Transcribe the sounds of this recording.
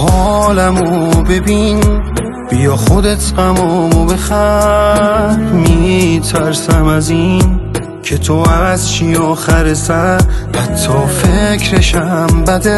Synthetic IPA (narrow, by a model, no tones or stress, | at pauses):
hɒːlæmobe̞bin | b̥ijɒːχod̪e̞t̪ʰɢæmɔmobe̞xæ | ɾmit̪ʰæɾsæmæzin | cʰe̞t̪ʰoæzʃijɒːxæɾesæhæt̪ʰːɒːfecʰɾeʃæmbæd̪e